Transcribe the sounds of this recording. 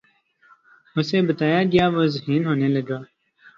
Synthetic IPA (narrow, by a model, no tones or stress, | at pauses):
ʊseːbət̪aːjaːɡɐjaːʋoːzəhiːnɦoːneːləɡaː